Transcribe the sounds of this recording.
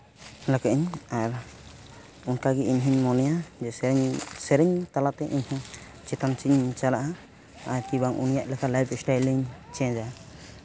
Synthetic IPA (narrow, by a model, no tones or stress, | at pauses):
lakɛʔiɲaɾ | unkaɡɛiɲɦiɲmɔnɛjad͡ʒɛsɛɾɛɲsɛɾɛɲt̪alat̪ɛʔiɲhiŋ | t͡ʃɛt̪ant͡ʃiɲt͡ʃalaʔa | aɾkibaŋʔunijaʔlɛkʰalajbsʈajliɲt͡ʃɛ̃d͡ʒa